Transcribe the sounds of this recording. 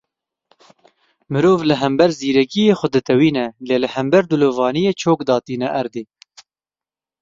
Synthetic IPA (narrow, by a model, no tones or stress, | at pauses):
mɨɾoːvlɨɦɛmbɛɾziːɾɛkijeːxʷʊd̪ɨt̪ɛwiːnɛleːlɨhɛmbɛɾd̪uloːvɑːnijeːt͡ʃʰoːkd̪ɑːt̪iːnɛʔɛɾd̪eː